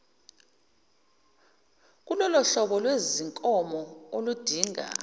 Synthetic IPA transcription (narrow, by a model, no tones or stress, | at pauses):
k̬ulɔlɔɬɔɓɔlweziŋkʼɔmɔolud̥ʱiːŋa̰